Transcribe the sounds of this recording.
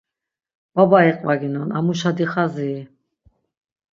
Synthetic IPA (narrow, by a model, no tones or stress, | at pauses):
b̥abaiqʼvaɡinɔnamuʃad̪iχazi